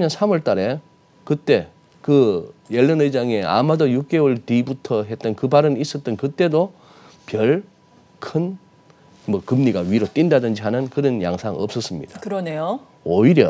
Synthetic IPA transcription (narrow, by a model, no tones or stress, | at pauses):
ɲʌnsʰamʌɭt͈aɾe̞ | kɯt͈e̞ | kɯjeɭːʌnɯd͡ʑaŋe̞a̰madʌjuk̚k͈e̞wɯɭtibutʰʌɦe̞t̚t͈ʌnkɯbaɾɯnis͈ʌt̚t͈ɯnkɯt͈e̞do | pjʌɭ | kʰɯn | mʌkɯmɲiɡaɥiɾot͈indadɯnd͡ʑiɦanɯnkɯɾʌnja̰ŋsʰaŋʌp̚s͈ʌs͈ɯmɲḭd̥akɯɾʌne̞jo | oiɾjʌ